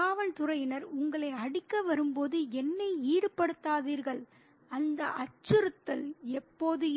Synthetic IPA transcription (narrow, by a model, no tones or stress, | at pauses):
aːʋɐlt̪ʊɾɐjɪnɐɾʊŋɡɐɭɐɪɐɽɪkːɐʋɐɾɯmpoːðɯɛnːɐɪiːɽɯpːɐɽɯt̪ːaːðiːɾɣɐɭ | ɐnd̪ɐʔɐt͡ʃːɯɾɯt̪ːɐlɛpːoːðɯ